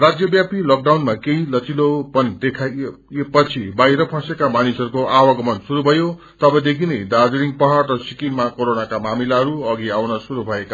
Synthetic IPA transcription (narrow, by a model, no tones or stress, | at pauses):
rad͡zjʌbjapilok̚ɖawnmakeilʌt͡silopʌnd̪ekʰa | epʌt͡sʰibajɾʌpʰãsekamanisʌɾukoawʌɡʌmʌnsuɾubʱʌjo | t̪ʌbʌd̪ekʰinejd̪ad͡zuɾiŋpʌɦaɽrʌsikinmakoɾonakamamilaɦʌɾuʌɡiawnʌsuɾubʱʌeka